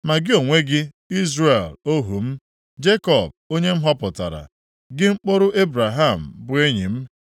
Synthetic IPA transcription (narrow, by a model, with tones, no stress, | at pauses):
ma˨ɡɪ˦o˨ŋʷe˦ɡɪ˦ | i˦zre˨lo˦ɦṵ˨m̩˦ | d͡ʒe˦kɔ˨b̚o˦ɲe˦m̩˦ɦɔ˦pʊ˨ta̰˨ɾa̰˨ | ɡɪ˦ŋ͡m̩˦k͡po˦ɾʊ˦ʔe˦bɾa˨ɦa˦˨m̩˨bʊ˨e˦ɲi˨m̩˦